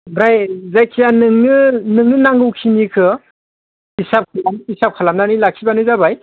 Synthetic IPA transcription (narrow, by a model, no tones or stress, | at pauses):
bɾajzajkʰijanɯŋnɯnɯŋnɯnaŋɡɯwkʰinikʰɯ | isap̚kʰalamisap̚kʰalamnanilak̚ʰibanɯzabaj